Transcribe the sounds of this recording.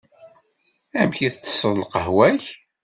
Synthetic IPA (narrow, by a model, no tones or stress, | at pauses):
æmçiθt͡sːə̥sːəðˤləqəhwæç